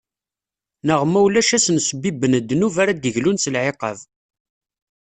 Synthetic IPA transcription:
nəʁmæwlæʃæsənsəbibːənəd̪ːnuvaɾæd̪əʝlunsəlʕeqə̰v

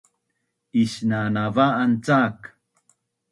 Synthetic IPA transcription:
iɕnanavaːnt͡sak

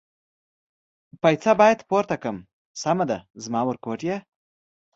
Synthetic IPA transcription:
pajt͡sabɑjet̪poɾt̪akəm | samad̪azmɑːwəɾkoːʈje

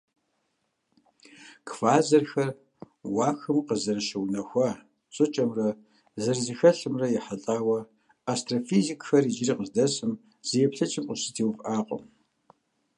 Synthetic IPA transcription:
kʰfaːzɐrxɐr | waːxɨmqəzɐɾɐʃɐwnɐxʷɐ | t͡sʼɨt͡ʃʼɐmrɐ | zɐrzɨxɐɬɨmrɐjɛħaɬʼaːwɐ | astʼrofizikʼxɐrid͡ʒɪriːqəzdɐsʼɨm | z̥ijɛpɬɐt͡ʃʰʼɪmʔʷʼʊsɨ̥tʰiːwfaːqʷʼʊ̰m

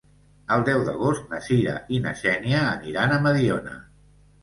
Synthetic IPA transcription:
əlˠd̪ɛwd̪əɣost̪̚nəsiɾə̰ʔinə̰sɛniəːniɾanəməðionə̰

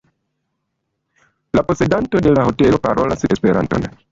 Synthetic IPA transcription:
lapo̞se̞danto̞de̞laho̞te̞lo̞paɾʔo̞lasespe̞ɾa̰nto̞̰n

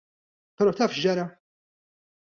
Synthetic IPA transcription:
pɛɾɔːt̪ɐːfʃd͡ʒɐɾɐ

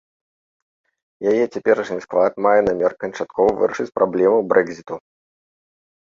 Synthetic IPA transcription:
jajɛt͡sʲɛpʲɛɾɐʂnʲisklˠat̪majɛnamʲɛrkɐnt͡ʂat̪kɔvɐvɨ̰ɾɐʂɨt͡sʲpɾʔablʲɛmɨwbɾɛɡzʲit̪u

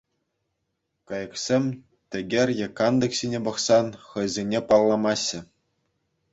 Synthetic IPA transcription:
kɑjɤ̆ksʲemʲ | t̪ʲɘ̆ɡʲerʲjĕkɑnd̪ɤ̆ksʲinʲebɤ̆χsɑnχɤ̆jzʲenʲepɑlˠːɑmɑɕːɘ̆

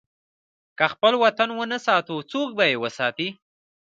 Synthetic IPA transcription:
kaxpəlwat̪anwənasɑt̪ot͡sok̚bajewəsɑt̪i

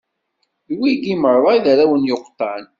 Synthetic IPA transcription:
wiɡiməɾˤːɑjðæɾæwənjoqːt̪ˤːɑn

